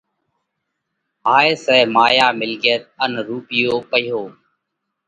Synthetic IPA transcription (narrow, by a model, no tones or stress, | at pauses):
ɦaːeːsɛːmaːjaːmɪlɡjət̪̚ənɾuːpɪjoːpəjɦoː